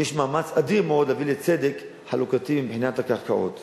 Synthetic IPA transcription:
jeʃmaːmat͡sad̪iʁmeod̪lavilet͡sed̪ek | ħalukat̪iimbħinat̪hakaʁkaʔo̰t̪

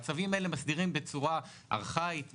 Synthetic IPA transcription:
t͡savimae̞le̞masd̪iʁimbet͡suʁa | a̰ʁχait̪

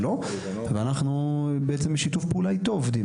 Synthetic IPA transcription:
lo | veanaχnubeʔet͡sembeʃitufpeulait̪oovd̪i

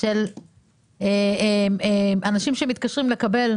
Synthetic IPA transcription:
el | eemeʔanaʃimʃemit̪̚kaʃʁimle̞kabe̞l

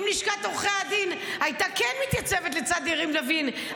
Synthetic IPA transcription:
mniʃkat̪ʁuχead̪inajt̪akenmit̪jat͡sevet̪̬let͡sad̪iʁimlavin

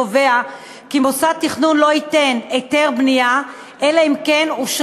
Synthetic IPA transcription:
ovea | kimosat̪iχnunlo̞it̪e̞net̪e̞ʁbnija | ʔelaimkenuʃ

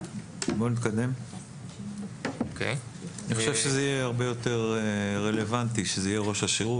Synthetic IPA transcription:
bonit̪kad̪e̞m | okeniχoʃevʃezeijeaʁbe̞jo̞t̪e̞ʁeːe̞le̞vant̪iʃezeijeʁo̞ʃaʃeʁu

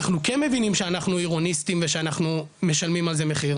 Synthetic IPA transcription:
aχnukenme̞vinimʃeanaχnuiʁo̞nistimveʃeanaχnume̞ʃalmimalzemeχiʁ

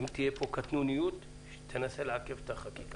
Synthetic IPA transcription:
mt̪ijepokat̪nunijut̪ | ʃt̪ʰenaselʕakeft̪aχakika

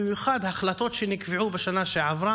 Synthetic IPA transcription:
ɪmjuxad̪haxlat̪ot̪ʃenɪkviʕubɪʃanaʃeʕavɾa

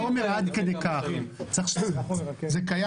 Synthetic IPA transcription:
omeʁad̪ked̪ejkaχmt͡saχʃ | zekaja

